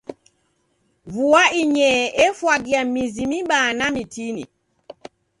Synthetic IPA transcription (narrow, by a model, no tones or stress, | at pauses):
vuaiɲɛʔɛfwaɡiamizimiɓaːnamitinḭ